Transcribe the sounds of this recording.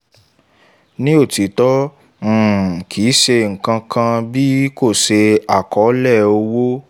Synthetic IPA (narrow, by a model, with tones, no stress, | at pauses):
nĩ˦o˦˨ti˨tɔ̃˦˨ | kʰi˨˦ʃe˧ŋ̩˨kã˧kʰã˧bi˦ko˦˨ʃe˧a˨kɔ˨˦lɛ˦˨o˧wo˦